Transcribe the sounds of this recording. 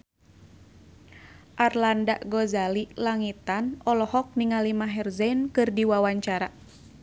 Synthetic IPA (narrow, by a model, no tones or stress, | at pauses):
ʔarlandaʔɡɔzalilaŋit̪anɔlɔhɔk̚niŋalimaɦɛrzɛnkɨrdiwawaɲt͡ʃaɾa